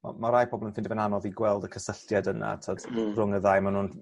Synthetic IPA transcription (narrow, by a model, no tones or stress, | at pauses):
ma̰maɾajpʰɔbɔlˠənfɪndɪvɛnanɔðiɡwɛlˠdəkʰəsəɬjadəna̰tʰɔd̥rʊŋəðajmanuːn